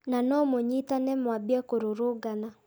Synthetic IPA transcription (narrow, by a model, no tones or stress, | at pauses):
nanɔmoɲitanɛmwabjɛkoɾoɾoɡana